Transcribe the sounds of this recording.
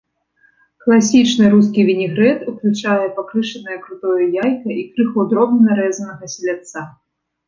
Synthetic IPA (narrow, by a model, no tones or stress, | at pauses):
klˠasʲit͡ʂnɨɾuskʲivʲinʲiɣɾɛt̪uklʲut͡ʂajɛpakɾɨʂɐnɐjɐkɾut̪ɔjujajkɐikɾɨxɐwd̪ɾɔbnnɐɾɛzɐnɐɣɐsʲilʲat̪sa